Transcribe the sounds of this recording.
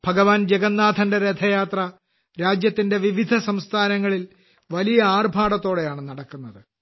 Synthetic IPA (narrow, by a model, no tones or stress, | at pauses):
bʱɐɡɐʋaːnd͡ʑeɡɐnːaːd̪ʰʱɐndeɾed̪ʰʱɐjaːt̪rɐ | ɾaːd͡ʑjɐt̪ːinde̞ʋiʋid̪ʱɐsɐmst̪ʰaːnɐŋːɐɭil | ʋɐlijɐaːrbʱaːɽɐt̪ːo̞ːɽe̞jaːɳɨnɐɽɐkːunːɐðɨ